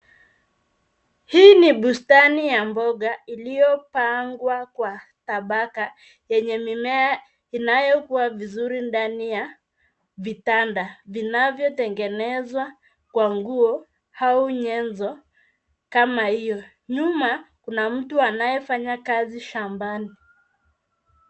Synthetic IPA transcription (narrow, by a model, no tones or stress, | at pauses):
hiːniɓustanijambɔɠailijɔpaŋɡwakwa | taɓaka | jɛɲɛmimɛa | inajɔkuwavizuɾindanija | vitandavinavjɔtɛŋɡɛnɛzwa | kwaŋɡuɔ | hauɲɛnzɔ | kamahijɔ | ɲumakunam̩tuanajɛfaɲakaziʃambani